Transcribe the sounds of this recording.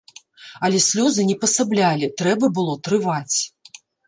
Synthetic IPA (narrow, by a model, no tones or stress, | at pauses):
ɐlʲɛsʲlʲɔzɨnʲɛpɐsablʲalʲit̪ɾɛbɐbɨlˠɔt̪ɾɨvat͡sʲ